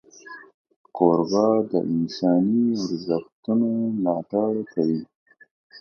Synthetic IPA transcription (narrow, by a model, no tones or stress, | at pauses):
koɾɣɑd̪ə̰ʔɪnsɑːniʊɾzəxt̪unolɑːʈaɽkʰawi